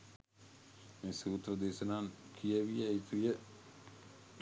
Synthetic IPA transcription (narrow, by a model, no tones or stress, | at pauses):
meːsuːt̪rɐd̪eːsənaːŋkʰijəʋijait̪ujə